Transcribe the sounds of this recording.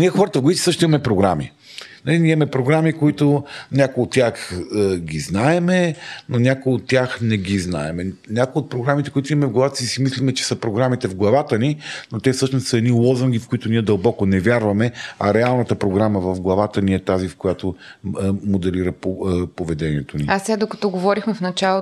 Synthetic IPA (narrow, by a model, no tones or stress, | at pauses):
niɛxɔɾət̪əvɡʊit̪ʲisɤʃt̪ʊimɐmɛpɾoɡɾami | nɐliniɛɐmɛpɾoɡɾamikoit̪ʊnʲakojot̪ːʲaxɡiznaɛmɛnonʲakojot̪ːʲjaxnɛɡʲizna̰ɛmɛnʲakoijot̪̚pɾoɡɾamit̪ɛkʊit̪ʊimɐmɛvɡlˠɐvat̪ə̥sisimislimɛt͡ʃɛ̥səpɾoɡɾamit̪ɛvɡlˠɐvat̪əninot̪ɛfsɤʃnost̪səɛd̪nilˠɔzəŋɡifkʊit̪ʊniɛd̪ɐlˠbɔkʊnɛvʲjaɾvɐmɛɐɾɛalˠnət̪əpɾoɡɾaməvɐvɡlˠɐvat̪əniɛt̪azifkojat̪o | mod̪ɛliɾəpopovɛd̪ɛniɛt̪oniasɛɡad̪okɐt̪ɔɡovɔɾixmɛfnɐt͡ʃalˠo